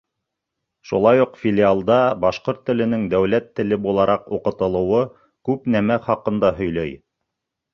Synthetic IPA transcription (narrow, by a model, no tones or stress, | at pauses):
ʃulˠɑjuqfʲɪlʲialˠd̪ɑbɑʃqoɾt̪ːɘ̆lɘ̆nɘŋd̪æwlæt̪ːɘ̆lɘbulˠɑɾʔɑquqɤ̆t̪ɤ̆lˠɤ̆wɤ | kʉpnæmæχɑqɤ̆nd̪ɑɦɵ̆jlæj